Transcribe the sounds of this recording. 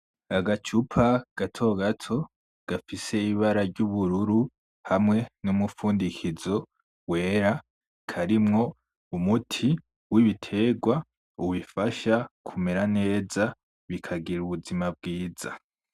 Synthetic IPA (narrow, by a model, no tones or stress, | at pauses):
aɡat͡ʃupʰaɡ̥atʰo̞ɡatʰo̞ | ɡ̥afise̞iβaɾaɾɟuβuɾuɾu | hamŋe̞numufuːndikʰizo̞ | we̞ːɾa | kʰaɾimŋo̞ | umutʰi | wiβitʰe̞ɡwa | uβifaʃakʰumeɾane̞ːza | βikʰaɡiɾuβuzimab̚ɡiːz̥a̰